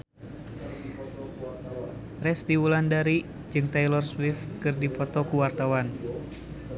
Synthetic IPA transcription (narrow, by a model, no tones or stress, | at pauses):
rɛsdiwulandaɾi | d͡ʒɨŋt̪ajlɔrswifkɨrdipɔt̪ɔkuwart̪awan